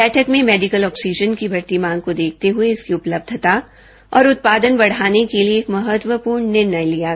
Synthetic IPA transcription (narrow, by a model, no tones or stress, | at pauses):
bɛːʈʰəkmẽmɛːɖɪkəlɔːksid͡ʒənkibʱɐɾt̪imãːŋɡ̚kod̪eːk̚ʰt̪eɦʊeɪskiʊpləb̚d̪ʱt̪a | ɔ̰ːɾʊt̪̚paːd̪ənbɐɽ̤aːnekelieːkmɐɦət̪wəpuːɾɳːɪɾnəjlija